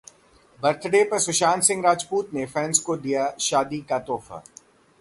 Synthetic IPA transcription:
bɐɾt̪ʰɖepɐɾsʊʃaːnsɪ̃ŋɡɾaːd͡ʒpuːt̪nefɛːnskod̪ijaʃaːd̪ikat̪ɔːfʰa̰ː

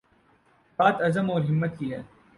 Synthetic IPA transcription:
baːt̪ɐzəmɔːɾɦɪmːət̪kiɦɛː

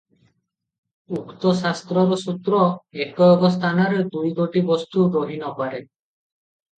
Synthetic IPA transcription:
ukt̪ɔsast̪ɾɔɾɔsut̪ɾɔekɔːbɔst̪ʰanaɾed̪ujɡ̪oʈibɔst̪uɾoɦinɔpaɾe

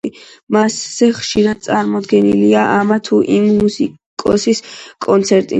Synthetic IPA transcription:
imasz̥ɛχʃiɾad̪̥̚t̪sʼaɾmɔd̪ɡɛnḭliaʔamat̪ʰuʔimːusi | kʼɔ̰siskʼɔnt̪sʰɛɾt̪ʼḭ

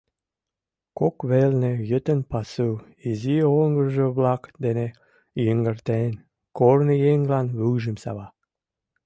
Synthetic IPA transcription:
kokβelnejə̆t̪ə̆npɑsɯ | izioŋɡərʒə̆βlɑkd̪ene | jəŋɡə̆rt̪en | kornəjeŋlɑnβuʒə̆msɑ̰βɑ

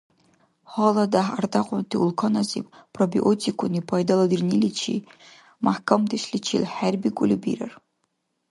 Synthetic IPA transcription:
ħɔladaħardaqʷʼɔntʰɨulkʰɐnazḭppʰʼrobḭʔotʰikʷʰʊnipʰajdaladɨrnilit͡ʃʰḭ | maħkʰamdɨʃlʲit͡ʃʰḭlħarbikʷʼʊlʲɨbḭɾa̰r

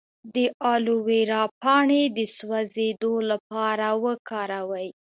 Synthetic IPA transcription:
d̪əʔɑluweɾɑpɑɳed̪əswazed̪olapɑɾawəkɑɾawəj

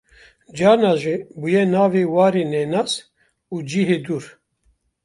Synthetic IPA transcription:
d͡ʒɑːɾnaːʒibujɛnaːveːwɑːɾeːnɛnaːs | uːd͡ʒiːɦeːd̪uːɾ

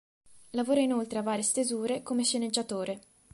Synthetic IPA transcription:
lavoːɾainolt̪ɾeavaːɾest̪ezuːɾekomeʃened͡ʒːat̪oːɾe

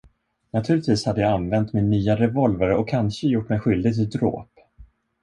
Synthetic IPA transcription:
nat̪ʰʉlɪt̪viːshad̪ːəjaanvɛnt̪mɪnːyːaɾɛvɔlvaɾəɔkʰːanɕəjʊʈːmɛjɧʏld̪ɪɡ̚t̪ʰɪld̪ɾo̰ːp

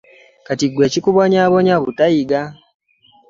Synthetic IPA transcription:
katiɡwe̞ːcikuβoɲaβoɲaβutajiɡa

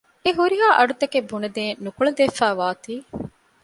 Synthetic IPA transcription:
eɦuɾiɦaːʔɐɖut̪ɐkebːunɐd̪eːnnukuɭɐd̪efæːʋaːt̪iː

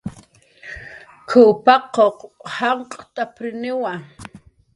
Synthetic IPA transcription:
kʰʊwpɑqoqhaɴqʼt̪apɾɪnɪwa

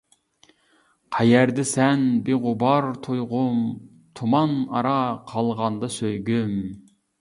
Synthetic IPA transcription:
qʰæjæɾd̪ɪsɛnbeʁʊbɑɾt̪ʰojʁʊm | t̪ʰumɑnɑ̰ɾɑqʰɑlˠʁɑnd̪ɑsøjɡʲym

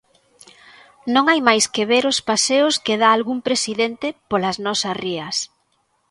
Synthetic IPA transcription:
nõŋajmajskeβeɾʊspaseʊskeðaːlɣumpɾesiðent̪ɪpolɐznɔsɐsriɐs

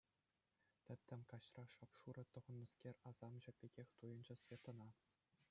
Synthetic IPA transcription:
t̪ʲɘ̆t̪ʲːɘ̆mʲkɑɕrɑʂɑpʂuɾɤ̆t̪ɤ̆ʁɤ̆nmɤ̆skʲerʲɑzɑmʑɘ̆pʲeɡʲexʲt̪ujɤ̆nd͡ʑɘ̆sʲvʲet̪ɤ̆nɑ

